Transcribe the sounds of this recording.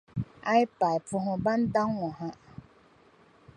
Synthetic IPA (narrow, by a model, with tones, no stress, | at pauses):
a˦ɪ˦pa˨i˨pʊ˦ɦʊ̃˦ba˦n̩˦da˦ŋwɔ˨ɦã˦